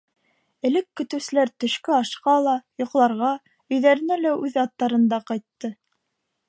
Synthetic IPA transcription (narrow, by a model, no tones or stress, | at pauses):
ɘ̆lɘkːɵ̆t̪ɘ̆wsɘ̆læɾt̪ɵ̆ʃkɘɑʃqɑlˠɑjŏqlˠɑɾʁɑ | ɵ̆jðæɾɘ̆nælæʉðɑt̪ːɑɾɤ̆nd̪ɑqɑjt̪ːɤ